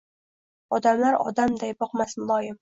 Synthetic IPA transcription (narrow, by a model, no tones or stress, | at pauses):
ɒd̪amlaɾɒ̰d̪amd̪ajbɒqmasmʊlˠɒjɪm